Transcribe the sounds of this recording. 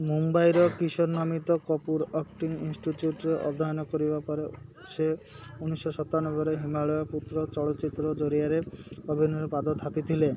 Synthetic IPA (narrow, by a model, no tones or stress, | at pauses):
mumbajɾɔkisɔɾnɔmit̪ɔkɔpuɾɔkʈiŋḭnsʈiʈjuʈɾeʔɔ̰d̪ʱaɔnɔkɔɾibapɔɾese | unisːɔsɔt̪anɔbɔɾeɦimaɭɔjɔput̪ːɾɔt͡ʃɔɭɔt̪ːt͡ʃit̪ːɾɔd͡ʒoɾiaɾekɔbʱinɔɾepad̪ɔt̪ʰːapit̪ʰile